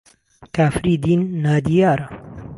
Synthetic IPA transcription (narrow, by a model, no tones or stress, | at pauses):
kaːfɾiːd̪iːnːaːd̪ijaːɾa